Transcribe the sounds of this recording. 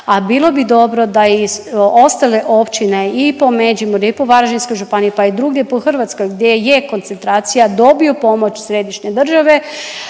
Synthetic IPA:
abilˠo̞bid̪o̞bɾo̞d̪aio̞st̪ale̞ʔo̞pt͡ʃineipomed͡ʒimoɾiipoʋaɾaʒinsko̞jʒupanijepaid̪ɾuːɡdepoxrʋat̪sko̞jɡd̪jejeko̞nt̪se̞nt̪ɾaːt̪sijad̪o̞biopo̞mo̞t͡ɕsɾeːd̪iʃɲed̪r̩ʒaʋe̞

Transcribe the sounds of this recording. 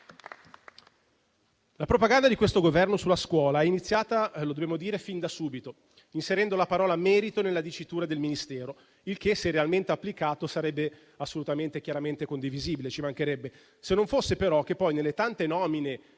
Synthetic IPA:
lapɾopaɡand̪ad̪ikwest̪oɡovɛrnosulaskwɔːlaɛinit̪sːjaːt̪alod̪obeːmod̪iːɾefind̪asuːbit̪o | inseɾɛnd̪olapaɾɔːlamɛːɾit̪onelːad̪it͡ʃːit̪uːɾad̪elminist̪ɛːɾo | ilkesːerealment̪eapːlikaːt̪osaɾɛbːe | asːolut̪ament̪ekʲjaɾament̪ekond̪iviziːbilet͡ʃimaŋk̟eɾɛbːe | senːoɱfosːepeɾɔk̟ːepːɔjnelːet̪ant̪enɔːmine

